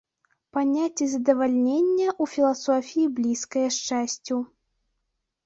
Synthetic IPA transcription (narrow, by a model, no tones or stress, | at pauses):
panʲat͡sʲɛzɐd̪ɐvalʲnʲenʲːɐʔufʲilˠasɔfʲijiblʲiskɐjɐʂt͡ʂasʲt͡sʲu